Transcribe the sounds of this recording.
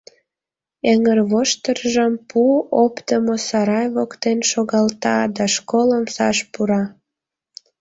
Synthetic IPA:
eŋərβoʃt̪ərʒəmpuopt̪əmosɑɾɑjβokt̪enʃoɣɑlt̪ɑd̪ɑʃkoləmsɑ̰ʃpuɾɑ

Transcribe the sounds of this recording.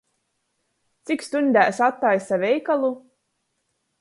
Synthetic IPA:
t̪sikst̪unʲd̪ʲæːsat̪ːajsavʲɛjkalˠu

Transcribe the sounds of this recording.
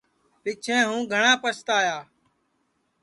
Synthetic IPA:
pɪt͡ʃʰẽːɦũːɡʱəɳãːpəst̪aːjaː

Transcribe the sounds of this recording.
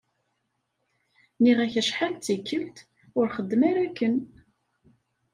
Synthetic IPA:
niʁæçəʃħalt͡sːikːəlt̪ | ʊɾχəd̪ːmæɾækːən

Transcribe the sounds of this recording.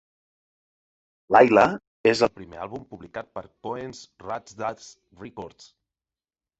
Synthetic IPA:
lajlə | ezəlˠpɾimḛa̰βumpuβlikat̪̚pəɾkoensrazd̪as | rikɔɾt̪s

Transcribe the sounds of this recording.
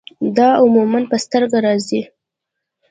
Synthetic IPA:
d̪ɑʊmumanpəst̪əɾɡaɾɑzi

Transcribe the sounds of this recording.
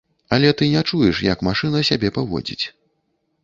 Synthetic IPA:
ɐlʲɛt̪ɨnʲɛt͡ʂujɛʂjɐkmaʂɨnɐsʲabʲɛpavɔ̰d͡zʲḭt͡sʲ

